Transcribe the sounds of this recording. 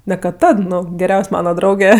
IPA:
nʲɛ kɐt ˈtɐt ˈnʊ ɡʲɛˈrʲɛʊsʲ ˈmɑːnɐ ˈdrɐʊɡʲɛ

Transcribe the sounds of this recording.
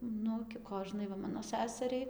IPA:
ˈnʊ ɡʲɪ ˈkoːʒnɐɪ ʋɐ ˈmɑːnoː ˈsʲæsʲɛrʲɛɪ

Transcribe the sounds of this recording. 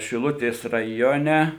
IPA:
ʃʲɪˈlˠʊtʲeːs rɐˈjoːnʲɛ

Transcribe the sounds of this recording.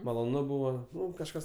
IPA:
mɐlˠoːˈnʊ ˈbʊʋoː ˈnʊ kɐʃˈkɐs

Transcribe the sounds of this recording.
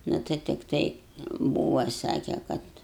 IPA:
ˈnʊ tɐɪ tʲɪkˈtɐɪ ˈbuːʋɐ ˈsɑːkʲɛ ˈkɐt

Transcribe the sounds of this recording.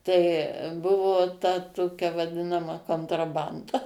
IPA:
tɐɪ ˈbʊʋoː tɐ ˈtoːkʲɛ ʋɐˈdʲɪnɐmɐ koːntrɐˈbɐndɐ

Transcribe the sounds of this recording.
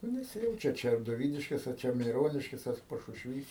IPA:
nʊ nʲɛˈsʲɪjɛʊt͡ʃʲɛ ɐr ˈt͡ʃʲɛ doːˈʋʲiːdʲɪʃʲkʲeːs ɐr ˈt͡ʃʲɛ mʲɛɪˈroːnʲɪʃʲkʲeːs ɐr pɐʃʊʃʲˈʋʲiːs

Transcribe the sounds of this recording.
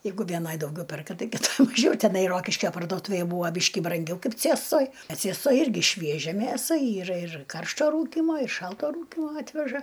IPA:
ˈjɛɪɡʊ ʋʲeːˈnɐj dɐʊˈɡʲɛʊ ˈpʲɛrkɐ ˈtɐɪ kʲɪˈtoːj mɐˈʒʲɛʊ tʲɛˈnɐɪ ˈroːkʲɪʃʲkʲoː pɐrduɔˈtuːʋʲeːj ˈbuːʋɐ ˈbʲiːʃʲkʲɪ brɐŋʲˈɡʲɛʊ ˈkɐɪp ˈt͡sʲeːstoːj ɐ ˈt͡sʲiɛstoːj ˈɪrʲɡʲɪ ˈʃʲʋʲiɛʒʲɛ ˈmʲeːsɐ ˈiːrɐ ɪr ˈkɐrʃtoː ˈruːkʲiːmoː ɪr ˈʃɐlˠtoː ˈruːkʲiːmoː ˈɑːtʲʋʲɛʒɐ

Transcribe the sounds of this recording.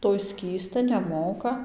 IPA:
ˈtoːj ˈsʲkʲiːstɐ nʲɛˈmoːkɐ

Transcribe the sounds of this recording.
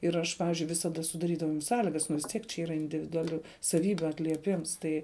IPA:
ɪr ˈɐʃ ˈpɑːʋʲɪzʲd͡ʒʲʊɪ ʋʲɪsɐˈdɐ sʊdɐˈrʲiːdɐʋɐʊ jɛm ˈsɑːlʲɪɡɐs nʊ ʋʲɪs ˈtʲiɛk t͡ʃʲɛ ˈiːrɐ ɪnʲdʲɪʋʲɪdʊɐˈlʲuː sɐˈʋʲiːbʲuː ɐtʲlʲiɛˈpʲɪms ˈtɐɪ

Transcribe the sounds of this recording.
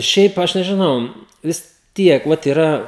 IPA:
ˈʃʲɛɪp ˈɐʃ nʲɛʒʲɪˈnɐʊ ʋʲɪs ˈtʲiɛk ˈʋɐt iːˈrɐ

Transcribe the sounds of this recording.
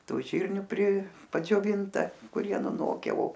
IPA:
ˈtuː ˈʒʲiːrʲnʲʊ pʲrʲɪ pɐd͡ʒʲoːˈʋʲɪntɐ kʊˈrʲiɛ nʊˈnoːkʲɛ oː

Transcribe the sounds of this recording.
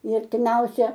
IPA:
ɪ ɐrʲtʲɪˈmʲɛʊsʲæː

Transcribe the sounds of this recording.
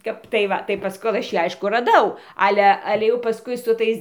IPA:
ˈkɐp tɐɪ ˈʋɐ tɐɪ ˈpɐsk ˈkoːlˠ ɐʃ ˈjiː ˈɐɪʃkʊ rɐˈdɐʊ ˈɑːlʲɛ ˈɑːlʲɛ jɛʊ pɐˈskʊɪ sʊ ˈtɐɪs

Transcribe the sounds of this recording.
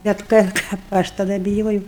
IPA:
bʲɛt ˈkɐt kɐp ˈɐʃ tɐˈdɐ bʲɪˈjoːjɛʊ

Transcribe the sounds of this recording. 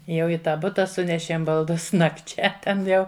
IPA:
ˈjɛʊ ɪ ˈtɑː ˈbʊtɐ ˈsʊnʲɛʃʲeːm bɐlˠˈdʊs nɐkˈt͡ʃʲɛ ˈtʲɛn ˈjɛʊ

